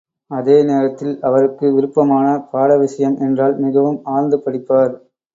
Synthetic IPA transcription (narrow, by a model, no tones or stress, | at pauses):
ɐðeːneːɾɐt̪ːɪlɐʋɐɾɯkːɯʋɪɾɯpːɐmaːnɐpaːɽɐʋɪʂɐjɐmʔɛndraːlmɪɣɐʋɯmaːɻnd̪ɯpːɐɽɪpːaːɾ